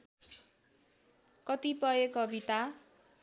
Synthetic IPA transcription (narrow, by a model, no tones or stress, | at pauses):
kʌt̪ipʌekʌbit̪a